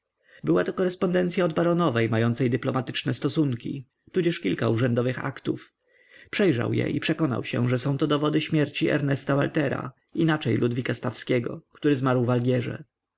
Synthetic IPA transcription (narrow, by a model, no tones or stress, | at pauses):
bɘwat̪ɔkɔɾɛspɔnd̪ɛnt̪sʲjaɔd̪baɾɔnɔvɛjmajɔnt̪sɛjd̪ɘplɔmat̪ɘ̥t͡ʂnɛst̪ɔsuŋkʲḭ | t̪ud͡ʑɛʂkʲilkauʐɛnd̪ɔvɘxa̰kt̪uf | pʂɛjʐa̰wjɛ̰ʔipʂɛkɔna̰wɕɛ̰ʐɛsɔ̃w̃t̪ɔd̪ɔvɔd̪ɘɕmʲjɛɾt͡ɕiʔɛ̰ɾnɛst̪avalt̪ɛɾa̰ | inat͡ʂɛjlʔud̪vʲikast̪afskʲɛɡɔ̰kt̪uɾɘzmaɾwvalɡʲɛʐɛ̰